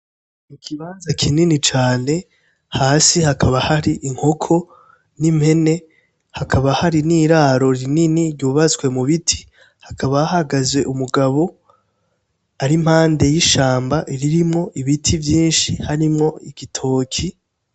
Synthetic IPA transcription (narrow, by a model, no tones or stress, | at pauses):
nikʰiβaːnzakʰininit͡ʃaːne̞ | haːsihakʰaβahaɾiʔiŋ̥ho̞kʰo̞ | nim̥he̞ne̞ | hakʰaβahaɾiniːɾaːɾo̞ɾininiɾɟuːβat͡swe̞muβitʰi̥ | hakaβaahaɡazwe̞ʔumuɡaβo̞ | aɾim̥haːnde̞jiʃaːmbaʔiɾiɾimŋo̞ʔiβitʰivjiːnʃihaɾimŋo̞iɡitʰo̞ːkʰi